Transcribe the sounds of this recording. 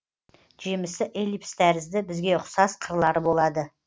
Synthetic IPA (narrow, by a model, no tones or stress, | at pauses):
ʒemɪsɪʔelipst̪æɾɪzd̪ɪbɪzɡʲe̞ʊqsɑsqʰəɾlˠɑɾəbo̞lˠɑd̪ə